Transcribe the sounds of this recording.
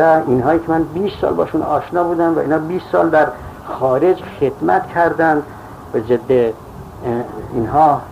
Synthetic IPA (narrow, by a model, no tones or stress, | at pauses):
æiːnɦɒːjiːcʰemænbiːst̪sɒ̰ːlbɒ̰ːʃunɒːʃnɒːbuːd̪æmvæʔḭːnhɒːbiːst̪sɒ̰ːld̪æɾ | xɒːɾe̞d͡ʒxed̪mæt̪kʰæɾd̪ænd̪ | væzed̪ːe | iːnɦɒː